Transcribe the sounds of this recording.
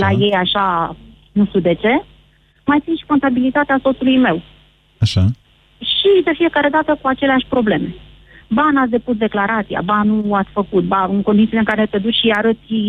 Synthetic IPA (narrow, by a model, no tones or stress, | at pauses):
laje̞jaʃa | nuʃt̪iud̪e̞t͡ʃe̞ | majt̪sinʃi̥ko̞nt̪abilit̪at̪easot̪sulujme̞w | aʃa | ʃid̪e̞fije̞kaɾe̞d̪at̪əkuat͡ʃe̞leaʃʲpɾo̞ble̞me̞ | banat̪sʲd̪e̞pus̬d̪e̞klaɾat̪sija̰banuat̪sʲfəkut̪̚baɨŋko̞nd̪it̪sileɨŋkaɾe̞t̪e̞d̪ut͡ʃʃiaɾət̪sʲi